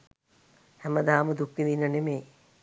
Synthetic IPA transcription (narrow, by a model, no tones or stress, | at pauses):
hɛməd̪aːməd̪ukʋininːənemeː